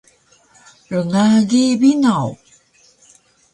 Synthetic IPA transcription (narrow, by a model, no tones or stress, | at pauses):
ɾəŋaɡiβinaw